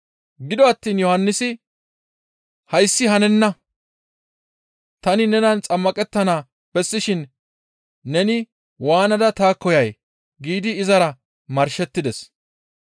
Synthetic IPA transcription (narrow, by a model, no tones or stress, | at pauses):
ɡɪd̪ɔɐt̪ːiːnjɔhɐnːɪsɪ | hɐjsːɪhɐnɛnːɐ | t̪ɐnɪnɛnɐnt͡sʼɐmːɐkʼɛt̪ːɐnaː | b̥ɛsːɪʃɪnː | ɛnɪ | waːnɐd̪ɐt̪aːkːɔjɐj | ɡiːd̪ɪːzɐɾɐ | mɐɾʃɛt̪ːɪd̪ɛs